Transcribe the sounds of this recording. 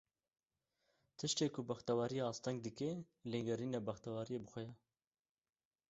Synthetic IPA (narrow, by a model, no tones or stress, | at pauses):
t̪ʰɨʃt̪eːkʰʊbaxt̪awɑːɾijeɑːst̪ɛŋɡd̪ɨke | leŋɡɛɾiːnɛbɐxt̪awɑːɾijebɨxʷɛjɛ